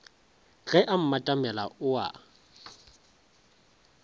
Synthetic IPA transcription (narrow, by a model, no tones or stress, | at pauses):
ɣɛʔam̩matʼamɛla̰ʊa̰